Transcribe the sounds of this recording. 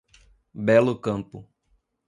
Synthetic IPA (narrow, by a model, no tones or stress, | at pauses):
bɛlʊkɐ̃mpʊ